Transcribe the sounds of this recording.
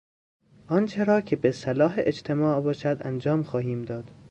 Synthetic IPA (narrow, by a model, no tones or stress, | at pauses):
ʔɒnt͡ʃʰeɾɒːcʲʰebesælɒːɦeʔed͡ʒt̪ʰemɒːʔbɒːʃæd̪æ̰nd͡ʒɒːmxɒːɦiːmd̪ɒːd̪̥